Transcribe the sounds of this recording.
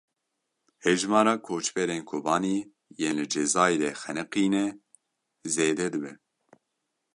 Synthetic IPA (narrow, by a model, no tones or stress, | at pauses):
hɛʒmɑːɾɑːkʰoːt͡ʃbɛɾeːnkʰobɑːniː | jeːnlɨd͡ʒɛzɑːjɾɛxɛnɛqiːnɛ | zeːd̪ɛd̪ɨbɛ